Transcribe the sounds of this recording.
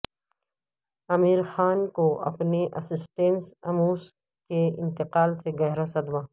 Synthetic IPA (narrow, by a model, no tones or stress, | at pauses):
ɐmiːɾxaːnkoɐ̰pneʔɐ̰sɪsʈẽnsɐmuːs | keɪ̰̃nt̪ɪqaːlseɡɐɦɾasɐd̪ʋaː